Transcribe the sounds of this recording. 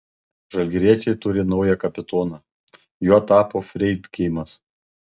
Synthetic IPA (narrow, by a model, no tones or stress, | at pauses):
ʒɐlʲɡʲɾʲiɛt͡ʃʲɛɪt̪ʊɾʲɪnɒʊjɛkɐpʲɪt̪oːnɑː | juːt̪ɑːpoːfʲɾʲɛɪd̪kʲɛɪmɐs